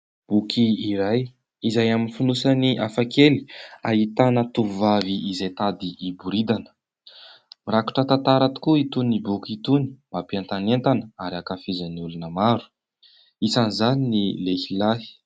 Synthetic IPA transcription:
b̥ukʰiːɾaj | izajaminifinusaniʔafakeli̥aɦit̪anət̪uvaviːzajt̪ad̪iʔːbuɾid̪anə̥ | miɾaku̥ʈ͡ʂət̪ant̪aɾat̪u̥kuit̪unibukit̪uni̥mb̥apiant̪anent̪anəaɾiakafizəniulunəmaɾu̥ | isanizaninilehilaɦi̥

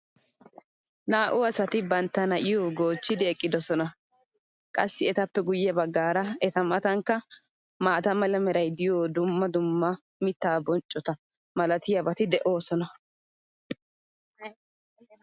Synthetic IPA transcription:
naːʔʊɐsɐt̪ɪbɐnt̪ːɐnɐʔɪjoːɡo̞ːt͡ʃːɪd̪ɪɛkʼːɪd̪ɔsɔnɐ | kʼɐsːɪɛt̪ɐpːɛɡʊjːɐbɐɡːaːɾɐɛt̪ɐmɐt̪ɐŋkːɐ | maːt̪ɐmɐlɐmɛɾɐjd̪ɪjoːd̪ʊmːɐd̪ʊmːɐ | mɪt̪ːaːbɔnt͡ʃʼːɔt̪ɐ | mɐlɐt̪ɪjɐbɐt̪ɪd̪ɛʔo̞ːsɔnɐ

